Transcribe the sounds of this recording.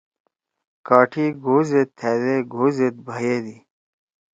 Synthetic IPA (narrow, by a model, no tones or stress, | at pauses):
kaːʈʰiːɡʱoːzet̪ʰːeːd̪eɡʱoːzet̪̚bʱəjeːd̪iː